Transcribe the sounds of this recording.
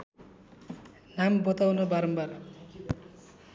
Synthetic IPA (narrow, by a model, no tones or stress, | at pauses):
nambot̪awnʌbaɾʌmbar